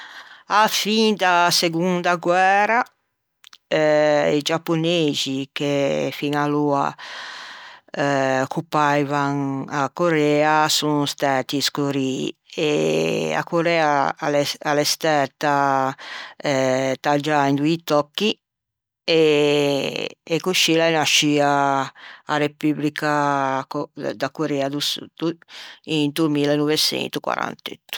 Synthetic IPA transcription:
afind̪aseɡund̪aɡwɛːɾa | ɛid͡ʒapːonezikefiŋalua̰ | okupajvaŋakoɾɛasuŋst̪ɛɾt̪iskoɾḭː | ea̰koɾɛaa̰lɛalɛst̪ɛɾt̪a | t̪ad͡ʒaind̪uit̪ɔkːi | e | kuʃilanaʃiaː | republikakd̪akːoɾɛad̪usṵd̪uint̪umilenɔvet͡ʃɛ̰nt̪ukwa̰ɾa̰nt̪ḛt̪ːu̥

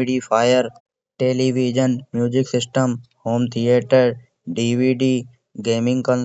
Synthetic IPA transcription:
ɪɖipʰaːjəɾ | ʈeːliːʋiːd͡ʒənmjuːd͡ʒɪksɪsʈəmhoːmt̪ʰijeːʈəɾ | ɖiːʋiːɖiː | ɡeːmɪ̃ŋɡkə̃n

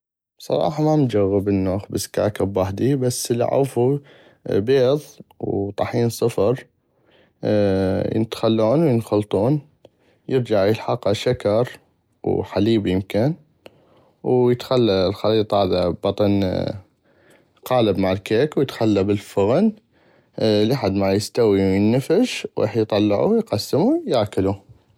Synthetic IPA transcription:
b̥sˤɑ̰ɾˤɑ̰ːħɑmamd͡ʒaɣːəbənːoːxbaska̰ːkabwaħd̪ibasːəlʕa̰fu | beːðˤwt̪ˤɑħiːnsˤɨfɾˤ | jə̰nt̪xalːuːnwjənxʊlt̪ˤuːn | jɪɾd͡ʒaʕjəlħɑqːaʃakɑɾˤ | wħaliːbjɪmkɪn | wjət̪xalːalxɑliːt̪ˤhaːðabɑt̪ˤɑn | qɑːlabmaʕɪlkeːkwjət̪xalːabɪlfʊɣn | liħad̪maʕjɪst̪awiwjənːafɪʃwʔɪ̰ːħjt̪ˤɑlːɑʕṵjqɑsːɪmujaʕkalu

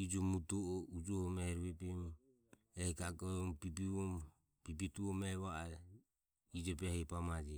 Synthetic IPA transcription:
id͡ʒɔmut̪ɔɔud͡ʒɔhɔmɛɾβɛbim | ɛkaɡɔmbibiɔ | bibit̪uɔmɛβaa | id͡ʒɔbɛhɛpamad͡ʒɛ

